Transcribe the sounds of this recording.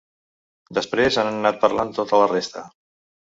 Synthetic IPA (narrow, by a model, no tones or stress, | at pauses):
d̪əspɾezanənnat̪̚pəɾlant̪ot̪ələrest̪ə